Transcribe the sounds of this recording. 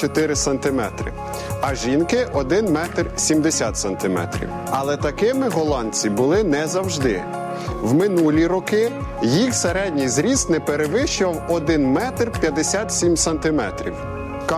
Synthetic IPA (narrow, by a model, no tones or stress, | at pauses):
t͡ʃɔt̪ɪɾɪsɐnt̪ɪmɛt̪ɾɪ̰ | ɐʒinkɪʔɔd̪ɪnmɛt̪rsʲimd̪esʲat̪sɐnt̪ɪmɛ̰t̪ɾʲḭw | ɐlˠɛt̪ɐkɪmɪɦɔlˠɑnʲt͡sʲibʊlˠɪnɛzɐwʒd̪ɪ | wmɪnulʲiɾɔkɪ | jixseɾɛdʲnʲijzɾʲisnɛpeɾeʋɪʃt͡ʃʊʋɐwɔd̪ɪnmɛt̪rpʲjɐd̪esʲat̪sʲimsɐnt̪ɪmɛ̰t̪ɾʲḭw | k